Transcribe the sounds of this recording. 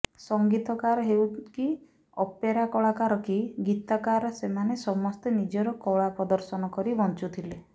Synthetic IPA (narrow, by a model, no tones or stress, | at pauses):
sɔŋɡit̪ɔkaɾɔɦewki | ɔpeɾakɔɭakaɾɔkiɡit̪akaɾɔsemanesɔmɔst̪enid͡ʒɔɾɔkɔɭapɾɔd̪ɔɾsɔnɔkɔɾibɔnt͡ʃut̪ʰile